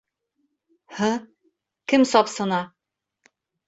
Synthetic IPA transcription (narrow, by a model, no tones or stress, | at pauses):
hɘ | kɘmsɒpsɤ̆nɑ